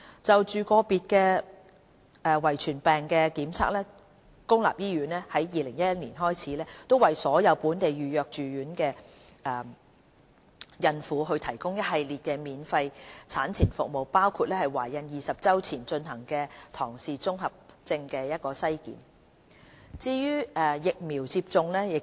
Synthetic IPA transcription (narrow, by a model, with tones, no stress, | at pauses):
t͡sɐ˨wt͡ʃyː˨˧kɔː˧piː˧t̚kɛː˧ | ʔɛː˨wɐ˨˩jt͡ʃʰyː˨˩npɛː˨˩ŋkɛː˧kiː˨˥mt͡sʰa̰ː˧k̚lɛː˥ | kʊ˥ŋla̰ː˨p̚jiː˥ɥyː˨˥nɛː˥hɐ˨˥jjiː˨lɪ˨˩ŋjɐ˥t̚jɐ˥t̚niː˨˩nɦɔː˥jt͡sʰiː˨˥lɛː˥t̪o˥wɐ˨jsɔː˨˥jɐ˨˧wpuː˨˥nt̪e˨jɥyː˨jœː˨k̚t͡ʃyː˨jyː˨˥nkɛː˧ʔɛː˨˩ | jɐ˧nfuː˨˥ɦɵ˧t̪ʰɐ˨˩jkʊ˥ŋjɐ˥t̚ɦɐ˨jliː˨t̚kɛː˧miː˨˧nfɐ˧jt͡sʰaː˨˥nt͡sʰiː˨˩nfʊ̰˨k̚mo˨wpaː˥wkʰuː˧t̚lɛː˥hɐ˨jwa̰ː˨˩jɐ˧njiː˨sɐ˨p̚t͡sɐ˥wt͡sʰiː˨˩nt͡ʃɵ˧nɦɐ˨˩ŋkɛː˧t̪ʰɔː˨˩ŋsiː˨t͡sʊ˥ŋɦɐ˨p̚t͡sɪ˧ŋkɛː˧jɐ˥t̚kɔː˧sɐ˥jkḭː˨˥m | t͡siː˧jyː˥ʔɛː˨jɪ˨k̚miː˨˩wt͡siː˧p̚t͡sʊ˧ŋlɛː˥jɪ˨k̚